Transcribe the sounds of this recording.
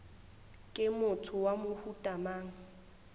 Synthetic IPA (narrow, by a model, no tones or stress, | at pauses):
kʼɪmʊtʰʊwamʊhutʼamaːŋ̩